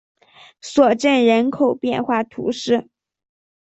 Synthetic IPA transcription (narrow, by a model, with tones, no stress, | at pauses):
swɔ˨˩ʈ͡ʂə˥˩nɻə˧˥nkʰo˨˩ʊpjɛ˥˧nxwa˥˩t̪ʰṵ˧˥ʂɻ̩˥˩